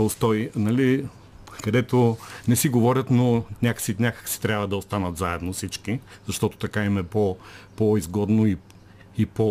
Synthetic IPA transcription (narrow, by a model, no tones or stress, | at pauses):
ost̪ɔinɐli | kɐd̪ɛt̪onɛsiɡovɔɾʲət̪nonʲaksinʲakə̥ksi̥t̪ɾʲjabvɐd̪ɐost̪anət̪zaɛd̪nofsit͡ʃkizɐʃt̪ɔt̪o̥t̪ɐkaimɛpopoizɡɔd̪noi | ipo